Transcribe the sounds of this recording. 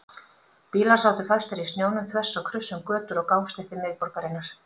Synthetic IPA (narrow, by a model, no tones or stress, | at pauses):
piːlḁsaːwt̪ʏ̥faðst̪ɛɾist̪njoːwnʏmθvɛsːakʰɾʏsːʏmkœːt̪ʏɾɔɣkaːwst̪ɪht̪ɪmɪːðpɔɾkaɾɪnːaɾ̥